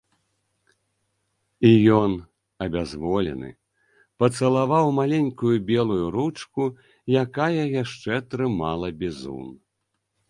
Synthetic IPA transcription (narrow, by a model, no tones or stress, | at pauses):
ijɔn | ɐbʲazvɔlʲɛ̰nɨ̰ | pɐt̪sɐlˠavawmalʲenʲkujubʲɛlˠujuɾut͡ʂku | jakajɐjaʂt͡ʂɛt̪ɾɨmalˠɐbʲizṵn